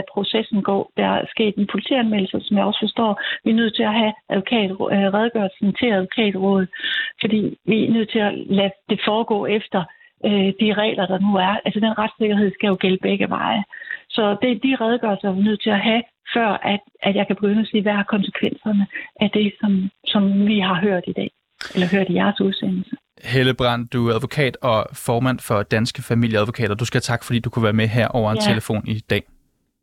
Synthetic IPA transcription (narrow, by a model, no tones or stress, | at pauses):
pʰʁo̝sesn̩ɡ̥ɒ̰ːd̥ɑsɡ̥e̝̰ːd̥enpʰo̝lit͡sʰḭːænmel̰l̩sɐsɒ̽mjɑ̈ɪɒ̽sfɒ̽sd̥ɒ̰ːʋinøð̰ˠt͡sʰe̝læɦæʔæðˠʋo̝kʰɛ̰ːd̥ʁɛðˠɡ̥ɶɐlsn̩t͡sʰe̝læðˠʋo̝kʰɛ̰ːd̥ʁɔ̰̽ːð̞̩ˠfɒ̽d̥ḭːʋinøð̰ˠt͡sʰe̝lælæd̥e̝fɒːɡ̥ɔ̰̽ːefd̥ɐ | d̥iʁɛ̰ːlɐd̥ɑ̈nuæɐælsəd̥enʁɑ̈d̥se̝ɡ̥ɐɦe̝ð̞̰ˠsɡ̥æjo̝ɡ̥eləb̥eɡ̥əʋɑ̈ɪsɒ̽d̥ed̥iʁɛð̞ˠəɡ̥ɶɐlsɐɑʋinøð̰ˠt͡sʰe̝læɦæ | fɶɐ̰ʔæd̥ʔæ̥jɑ̈ɪkʰæb̥e̝ɡ̥ønæse̝̰ːʋææɐkʰɒ̽nsə̥kʰʋen̰sɐnəʔæd̥e̝sɒ̽msɒ̽mʋiɦɑ̈ɦøɐ̰d̥id̥ɛ̰ː | ʔelɐɦøɐ̰d̥ijæɐsuð̞ˠsenl̩sə | heləb̥ʁɑ̈n̰d̥uæð̞ˠʋo̝kʰɛ̰ːd̥ɒ̽fɒːmæn̰fɒ̽d̥ænsɡ̥əfæmil̰jəæðˠʋo̝kʰɛ̰ːd̥ɐd̥usɡ̥æt͡sʰɑ̈ɡ̥fɒ̽d̥ḭːd̥ukʰuʋæːɐmeɦeɐ̰ʔɒʊɐet͡sʰe̝ləfo̝̰ːnid̥ɛ̰ː